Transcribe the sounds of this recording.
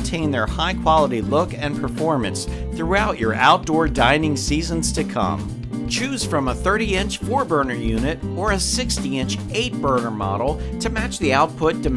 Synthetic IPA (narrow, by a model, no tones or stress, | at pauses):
tʰẽɪ̃nðə˞haɪkʰw̥ɑlˠəɾilʊkɨ̃npʰə˞fɔɹmɨ̃ns | θɹuaʊt͡ʃə˞ʔa̰ʊt̚d̥ɔɹdãɪ̃nɪ̃ŋsizə̃nz̥tʰɨkʰʌ̰̃m | t͡ʃʰʉz̥fɹʌ̃məθɜ˞ɾiɪ̃nt͡ʃfɔɹbɜ˞nə˞jʉnɨɾə˞ɨsɪkstiɪ̃nt͡ʃeɪt̚b̥ɜ˞nə˞mɑ̰ɾl̩ˠtʰɨmæt͡ʃðiaʊt̚pʰʊt̚d̥ɨm